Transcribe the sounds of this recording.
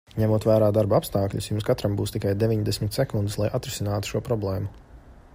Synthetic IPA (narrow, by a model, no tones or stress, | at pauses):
ɲæmuɔːt̪væːɾaːd̪aɾbaapst̪aːkʎʲṵsjumskat̪ɾambuːst̪ikajd̪evʲiɲd̪esmʲɪt̪sɛkund̪ɪslˠajʔat̪ɾɪsinaːt̪u̥ʃuɔpɾɔblˠeːmu